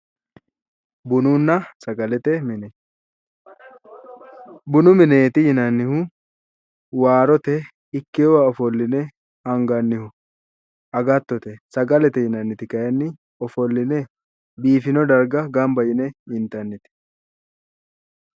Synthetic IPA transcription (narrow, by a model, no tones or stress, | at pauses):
bʊnʊnːɐsɐɡɐlɛt̪ɛmɪnɛ | bʊnʊmɪneːt̪ɪhɪnɐnːɪhʊ | waːɾɔt̪ɛ | ɪkːewɐɔfɔlːɪnɛ | hɐŋɡɐnːɪhʊ | ɐɡɐt̪ːɔt̪ɛsɐɡɐlɛt̪ɛhɪnɐnːɪt̪ɪkɐjɐnːɪ | ɔfɔlːɪnɛ | biːfɪnɔd̪ɐɾɡɐɡɐmbɐjɪnɛɪnt̪ɐnːɪt̪ɪ̥